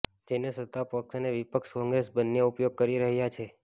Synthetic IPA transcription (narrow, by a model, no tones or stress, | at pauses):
d͡ʒenesət̪ːapəksneʋipəkʃkɔ̃ŋɡɾesbənːeupjoɡ̚kəɾiɾəɦjat͡ʃʰe